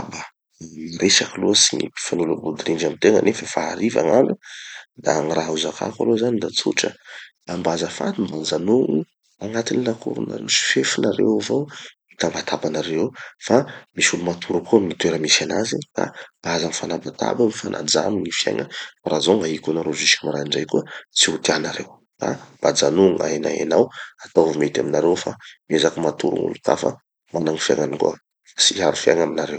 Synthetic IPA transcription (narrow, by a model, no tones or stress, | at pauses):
abə | iresakaluəsiŋḭi̥fanulabud̪iɾind͡ʒamit̪eŋə̰nʔefəfaaɾiva̰ŋanud̪aŋiraɦuzakʰa̰ka̰lozanid̪at͡suʈ͡ʂəd̪ambazəfa̰d̪imbanzanu | aŋat̪inilakṵɾṵna̰ɾesi̥fefinaɾḛwvo | it̪ambat̪ʰabanaɾewfamisulumat̪ʰuɾukuaminit̪ueɾəmisanazika̰bazaŋfanambat̪a̰baŋifanʔa̰d͡za̰miɲifja̰jŋəaɾazoŋaikunaɾoziskimaɾaiɳɖ͡ʐajkuət͡siut̪ianaɾḛw | ka̰b̥ad͡zanuŋa̰jna̰ḛnawat̪awvumet̪aminaɾewfamezakəmat̪uɾṵŋṵluka̰fa̰ | manaŋifja̰ŋanikṵə | fḁsiaɾufjaŋaminaɾḛw